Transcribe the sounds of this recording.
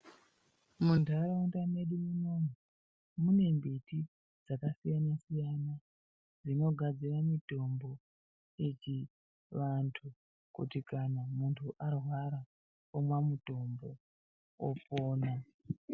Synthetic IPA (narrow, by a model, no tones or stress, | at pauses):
mundʱaɾauntameɗimuno̞mu | mune̞mbiti | d͡zakasijanasijana | d͡zino̞ɡʱad͡ziramito̞mbo̞ | it͡ʃi | ʋantʰu | kṵtikanamuntʰuʔarwaɾa | omwamuto̞mbo̞ | o̰poːna